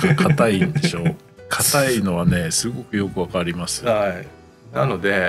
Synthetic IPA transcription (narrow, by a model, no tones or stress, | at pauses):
kʰat̪aind̪e̞ɕo̞ː | kʰat̪aino̞βane̞sɨɡo̞kɯ̟jo̞kɯ̟βakaɾʲimasɨ̥ai | nano̞d̪e